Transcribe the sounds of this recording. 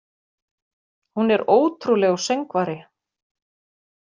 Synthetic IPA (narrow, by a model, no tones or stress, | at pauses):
hunɛɾoːwt̪ʰɾulɛɣawsejŋkvaɾɪ